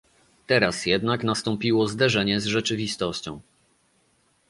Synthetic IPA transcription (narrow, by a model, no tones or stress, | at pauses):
t̪ɛɾasjɛd̪naknast̪ɔmpʲiwɔzd̪ɛʐɛɲɛzʐɛt͡ʂɘvʲist̪ɔɕt͡ɕɔ̰̃w̃